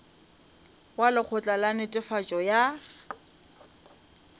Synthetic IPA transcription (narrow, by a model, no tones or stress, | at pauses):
walɪk͡xʰʊt͡ɬʼalanɪtʼɪfat͡ʃʼɔja